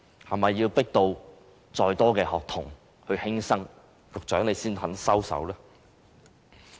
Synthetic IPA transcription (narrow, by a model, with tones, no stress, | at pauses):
hɐ˨˩mɐ˨jːiː˧wpɪ˥k̚t̪o˧w | t͡sɔː˧jt̪ɔː˥kɛː˧hɔː˨k̚t̪ʰʊ˨˩ŋ | hɵ˧ɥhɪ˥ŋsɐ˥ŋ | kʊ˨k̚t͡ʃœː˨˥ŋle˨˧jsiː˥nhɐ˨˥nsɐ˥wsɐ̰˨˥wlɛː˥